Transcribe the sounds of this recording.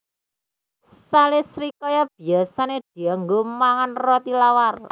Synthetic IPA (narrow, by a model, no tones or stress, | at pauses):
salesɾikɔjɔb̥i̤asaned̪̥i̤aŋɡomaŋanrɔt̪ilawarla̰